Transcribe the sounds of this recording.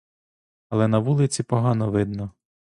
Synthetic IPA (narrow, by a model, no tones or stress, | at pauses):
ɐlˠɛnɐʋulˠɪt͡sʲipɔɦɑnɔʋɪd̪nɔ